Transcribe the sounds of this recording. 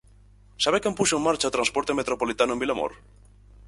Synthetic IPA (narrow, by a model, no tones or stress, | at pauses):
saβekempusoemːaɾt͡ʃat̪ɾanspoɾt̪e̞me̞t̪ɾopolit̪anuembilamo̰ɾ